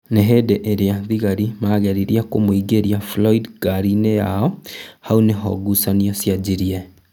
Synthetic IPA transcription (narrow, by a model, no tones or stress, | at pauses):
neɦeːdeʔeɾeaðiɣaɾimaːɣɛɾiɾiakomoiɡeɾiaflɔidɡaɾinejaɔhauneɦɔ̰ɡusaniɔsjad͡ʒiɾiɛ